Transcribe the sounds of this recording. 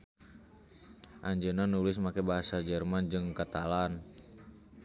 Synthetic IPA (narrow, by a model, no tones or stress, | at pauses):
ʔaɲd͡ʒənanulɪsmakɛbaɦasad͡ʒərmand͡ʒɨŋkat̪alan